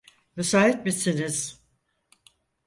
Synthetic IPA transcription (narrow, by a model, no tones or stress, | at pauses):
mesaːɦit̪̚misiniz̥